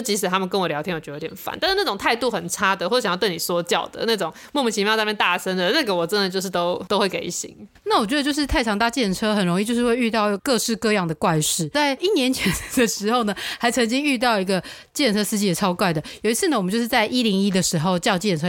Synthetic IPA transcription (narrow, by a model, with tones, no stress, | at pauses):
t͡ɕi˧˥ʂ̬ɻ̩˨˩t̪ʰa˥mə˨nkə˥nwɔ˨˩ljɑ˧˥ʊt̪ʰjɛ˥jo˧˥˧t̪jɛ˨˩fa̰˨˦nt̪a˥˧nʂɻ̩˥˩na˥˩ʈ͡ʂʊ˨˩ŋt̪ʰa˥˧ɪt̪u˥˩xə˨˩nʈ͡ʂʰa˥d̪ə˨xwɔ˥˧˥ɕjɑ˥t̪̬e˥˩ɪni˨˩swɔ˥t͡ɕjɑ˥˩ʊd̪ə̰˩na˥˩ʈ͡ʂʊ˨˩ŋ | mɔ˥˩˧mə˨˩t͡ɕi˧˩fʰmɛ˥˧nt̪a˥˩ʂə˥nd̪ə˨˩na˥˩ɡə˩wɔ˨˩ʈ͡ʂə˦nd̪ə˨˩t͡ɕjo˧ʊʂ̬ɻ̩˥˩t̪o˥ʊt̪o˥ʊxwe˥˩ɪke˥˩ɪḭ˥˩ɕḭ˧˦ŋna˥˩wt͡ɕɥɛ˧˥də˧t͡ɕjʂɻ̩˥˧t̪ʰa˥˩ɪʈ͡ʂʰɑ˧˥ŋt̪a˥˧t͡ɕjɛ˥˩nʈ͡ʂʰɤ˥xə˨˩nɻo˧˥ŋi˥˧t͡ɕjo˥˧ʊʂɻ̩˥˧we˥˧ɪy˥˧t̪ɑ˥˩ʊkɤ˥˧ʂɻ̩˥˧kɤ˥˧jɑ˥˩ŋd̪ə˩kwa˥˧ɪʂɻ̩˥˩t͡sa˥˩ɪi˥˩njɛ˧˥nt͡ɕʰɛ˧˥n˧d̪ə˨ʂɻ̩˧˥xo˥˧ʊnə˩ha˧˥ɪt͡sʰə˧˥ŋt͡ɕi˥ŋy˥˧t̪̬ɑ˥˩ʊi˧˥ɡə˧ | t͡ɕjɛ˥˩nʈ͡ʂʰɤ˥ʂɹ̩˥˧t͡ɕi˥˩jɛ˨˩ʈ͡ʂʰɑ˥ʊkwa˥˩ɪd̪ə˩jo˨˩i˦˥t͡sʰɹ̩˥˩ə˨wə˨˦t͡ɕjo˥˧ʂɻt͡sa˥˧ɪʔi˥li˧˥ŋi˥d̪ə˨ʂɻ̩˧˥xo˥˧ʊt͡ɕjɑ˥˧ʊt͡ɕjɛ˥˩nʈ͡ʂʰɤ˥